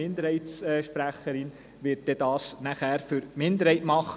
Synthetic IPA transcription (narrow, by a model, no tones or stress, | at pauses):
ɪnd̪əɾhɛɪtsɛːʃpɾæχːəɾɪn | ʋɪt̚d̥ɛdɑːsnæχæːɾfyɾmɪndəɾhɛɪtmɑχ